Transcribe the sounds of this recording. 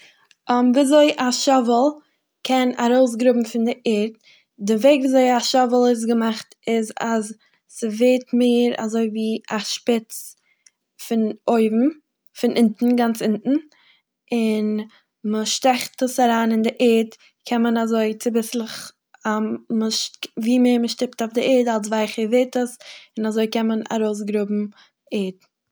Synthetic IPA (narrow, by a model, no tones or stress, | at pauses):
ɔmviːazoɪʔaʃɔvəlˠ | kʰɛna̰ɾoʊs̬ɡɾʊbm̩fɪndɪʔɪɾt̚ | dɪveɪɡvizoɪaʃɔvəlˠɪs̬ɡəmaχtɪzaz | səveːtmeːɾa̰zoɪviːaʃpɪt͡s | fɪnoɪbm̩ | fɪnʔɪntn̩ɡant͡sɪntn̩ | ɪn | məʃtɛχtəsaɾaːnɪndɪʔɛːt | kʰɛnmənazoɪt͡sɪbɪslˠɪχ | aməʃviːmeːɾməʃtɪp̚taʊfdɪʔɛːdalˠs̬vaɪχəveɪtəsɪnazoɪkɛməna̰ɾoʊs̬ɡɾʊbm̩ | ɛːt